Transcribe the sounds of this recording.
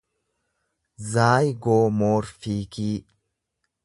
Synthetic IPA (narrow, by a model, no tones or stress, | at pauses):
zaːjɡoːmoːɾfiːkiː